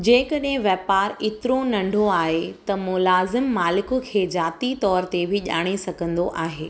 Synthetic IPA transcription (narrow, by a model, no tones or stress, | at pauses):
d͡ʑẽːkɐɗɦɪ̃ʋjɛːpaːɾɪt̪ɪɾonɐ̃ɳɖʱoaːɦet̪ɐmʊlaːzɪmːaːlɪkʊkʰeːd͡ʑaːt̪it̪ɔːɾt̪ebʱɪʄa̰ːɽ̃esɐɡʱə̃nd̪oʔaːɦeː